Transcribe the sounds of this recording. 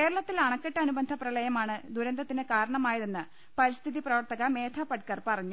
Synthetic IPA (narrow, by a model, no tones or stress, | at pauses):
ke̞ːɾɐɭɐt̪ːilɐɳɐkːeʈːɐːnubɐnd̪ʱɐprɐlɐjɐmaːɳɨd̪ʱuɾɐnd̪ɐt̪ːinɨkaːɾɐɳɐmaːjɐðenːɨ | pɐɾist̪ʰiðiprɐʋɐrt̪ɐɣɐme̞ːt̪ʰaːpɐʈ̚kːɐrpɐrɐɲːu